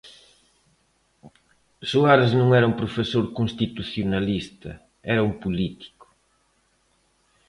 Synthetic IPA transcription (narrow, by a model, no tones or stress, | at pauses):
suaɾznũŋɛɾɐumpɾofesoɾkoŋst̪it̪uθjonalist̪ɐ̰ | ɛɾɐumpulit̪i̥kʊ̥